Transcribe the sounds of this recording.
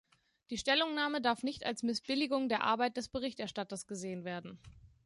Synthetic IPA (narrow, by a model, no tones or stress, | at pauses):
d̥iːʃtɛlʊŋnaːmədaɐfnɪçta̰lsmɪsb̥ɪlɪɡʊŋdeːɐʔa̰ɐbaɪt̚d̥ɛsb̥əʁ̞ɪçtʔɛɐʃtatɐsɡ̥əzeːənveːɐdn̩